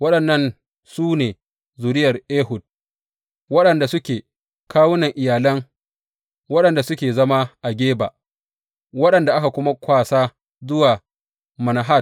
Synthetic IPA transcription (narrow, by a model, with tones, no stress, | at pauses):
wɐ˦ɗɐ˨nːɐ˦˨n | suː˦neː˨ | zuː˨ɾɪ˦jɐ˨rʔeː˦ɦʊ˨d̚ | wɐ˦ɗɐ˨nda˨sʊ˦kʲeː˨ | kʰaː˦wʊ˦nɐ˨ŋʔɪ˨jaː˨lɐ˦ŋ | wɐ˦ɗɐ˨nda˨sʊ˦kʲeː˨zɐ˦ma˦ʔa˨ɡʲeː˦ba̰ː˨ | wɐ˦ɗɐ˨nda˨ʔa˦ka˨kʷʊ˦ma˦kʷaː˦˨saː˦ | zʊ˦waː˨ | mɐ˨na˨ɦa˦˨t̚